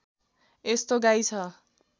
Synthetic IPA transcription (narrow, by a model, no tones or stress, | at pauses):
est̪oɡajt͡sʰʌ